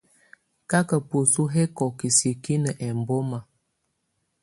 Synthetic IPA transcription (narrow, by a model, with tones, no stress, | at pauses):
ka˦kə˨po˨su˦ɦe˦kɔ˨ki˨si˨ki˦nə˨ʔɛ˨m˨bo˦ma˨